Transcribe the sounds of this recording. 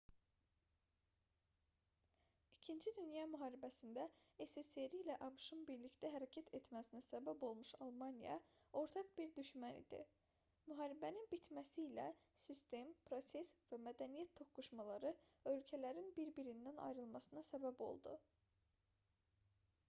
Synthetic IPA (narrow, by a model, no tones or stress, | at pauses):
icʰind͡ʒid̪ynjɑmyɦɑːɾibæsind̪æeseseɾiːlæʔɑbɯʃɯnbiɾlict̪æɦæɾæcʰæt̪ʰet̪mæsinæsæbæbo̞lˠmuʃɑlˠmɑnijɑ̰o̞ɾt̪ʰɑqbiɾd̪yʃmænḭd̪̥ḭ | myɦɑːɾibæninbit̪ʰmæsiːlæ̰sist̪e̞mpʰɾo̞se̞svæmæd̪ænijæt̪ːʰo̞kːuʃmɑlˠɑɾɯø̞lcʰælæɾinbiɾbiɾind̪ænɑ̰jɾɯlˠmɑsɯnɑsæbæbo̞̰lˠd̪u